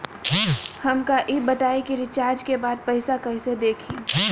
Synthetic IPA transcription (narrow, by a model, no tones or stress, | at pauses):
hɐmkaʔɪːbɐʈaːikiɾɪt͡ʃaːɾd͡ʒkebaːd̪̚pɐɪsakɐɦɪ̃sed̪eːkʰĩː